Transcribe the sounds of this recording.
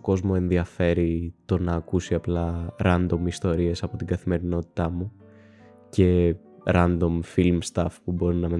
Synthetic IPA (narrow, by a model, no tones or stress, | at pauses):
ko̞zmo̞e̞nðiɐfe̞ɾit̪o̞nɐːkusiɐplɐɾɐnd̪o̞mist̪o̞ɾie̞sɐpo̞t̪iɡɐθime̞ɾino̞t̪i̥t̪ɐmu | ce̞ | ɾɐnd̪o̞mfilmst̪ɐfpubo̞ɾinɐme